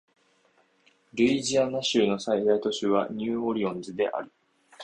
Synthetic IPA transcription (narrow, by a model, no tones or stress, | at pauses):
ɾɯ̟iʑianaɕɨːno̞said̪ait̪o̞ɕɨβa̰ɲ̟ɨːo̞ɾʲiõ̞nd͡zɨd̪e̞̰ʔa̰ɾɯ̟